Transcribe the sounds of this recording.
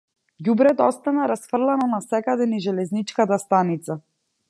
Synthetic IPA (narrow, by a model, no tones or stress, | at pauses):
jubɾɛt̪ɔst̪anaɾasfr̩lˠanɔnasɛkad̪ɛniʒɛlɛznit͡ʃkat̪ast̪anit̪sa